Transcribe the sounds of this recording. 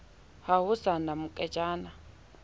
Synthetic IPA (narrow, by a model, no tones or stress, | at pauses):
haɦʊsanamukʼɛd͡ʒaːna